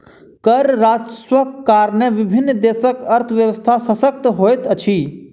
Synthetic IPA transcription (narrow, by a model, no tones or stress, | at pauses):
kəɾɾaːd͡ʒswəkkaːɾneʋɪbʱɪnːd̪eːsəkɐɾt̪ʰʋjəʋəst̪ʰasəsək̚t̪ɦoːjt̪ət͡ʃʰiː